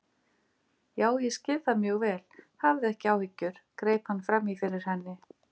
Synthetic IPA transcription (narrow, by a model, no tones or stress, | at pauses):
jaːwjɛscɪððamjœːɣvɛːlhavðɪɛhcɪawhɪcːʏɾ̥kɾeːjphanːfɾamːifɪɾɪɾ̥hɛnːɪ